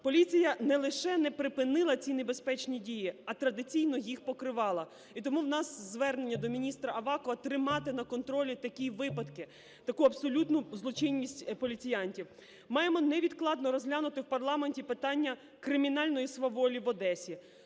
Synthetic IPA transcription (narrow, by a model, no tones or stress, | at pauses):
pɔlʲit͡sʲijɐnɛlˠɪʃɛnɛpɾɪpɪnɪlˠɐt͡sʲinebespɛt͡ʃnʲidʲijiɐt̪ɾɐd̪ɪt͡sʲijnɔjixpɔkɾɪʋɑlˠɐ | it̪ɔmuwnɑsːʋɛrnenʲːɐd̪ɔmʲinʲist̪ɾɐɐʋɑkɔʋɐt̪ɾɪmɑt̪ɪnɐkɔnt̪ɾɔlʲit̪ɐkʲiʋɪpɐd̪kɪ | t̪ɐkuɐbsɔlʲut̪nʊzlˠɔt͡ʃɪnʲːisʲtʲpɔlʲit͡sʲijɑnʲtʲiw | mɑjemɔnɛʋʲid̪klˠɑd̪nɔɾɔzʲɦlʲanʊt̪ɪwpɐrlˠɑmenʲtʲipɪt̪ɑnʲːɐ | kɾɪmʲinɑlʲnɔjisʋɐʋɔlʲiʋɔd̪ɛsʲi